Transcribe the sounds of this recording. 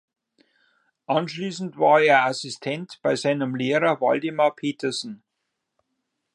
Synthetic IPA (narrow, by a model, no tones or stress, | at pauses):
ʔɑnʃliːsn̩tvaːɐeːɐʔasistʰɛntb̥aɪzaɪnəmleːʁɐvɔldɪmɐpʰeːtɐsn̩